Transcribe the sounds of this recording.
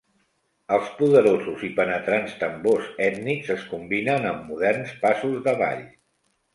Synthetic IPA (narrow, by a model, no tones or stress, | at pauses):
əlˠspuðəɾozuzipənət̪ɾanst̪əmbozɛt̪nikzəskumbinənəmːuðɛrnspasuzðəβa̰ʎ